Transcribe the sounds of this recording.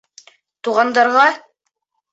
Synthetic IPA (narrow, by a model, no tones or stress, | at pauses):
t̪uʁɑnd̪ɑɾʁɑ